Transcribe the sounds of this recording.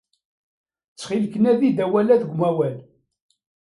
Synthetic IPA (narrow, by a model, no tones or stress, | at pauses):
t͡sːχilkənæðid̪æwælæðɡʷmæwæl